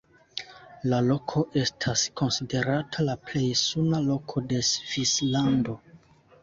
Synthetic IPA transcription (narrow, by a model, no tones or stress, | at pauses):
lalo̞kʰo̞ʔe̞stʰasko̞nside̞ɾatʰalaple̞jsunalo̞kʰo̞de̞sv̥islando̞